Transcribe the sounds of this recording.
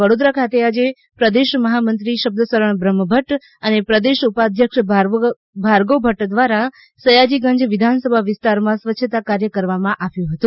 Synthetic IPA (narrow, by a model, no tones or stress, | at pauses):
əɽod̪ɾakʰat̪ead͡ʒe | pɾəd̪eʃməɦamənt̪ɾiʃəb̚d̪əsəɾəɳbɾəmːəbʱəʈ | ənepɾəd̪eʃupad̪ʱjəkʃ | bʱaɾɡobʱəʈd̪ʋaɾa | səjad͡ʒiɡə̃ɲd͡ʒʋɪd̪ʱansəbʱaʋɪst̪aɾmãsʋətːʃʰət̪akaɾjəkəɾʋamãʔaʋjũɦət̪ũ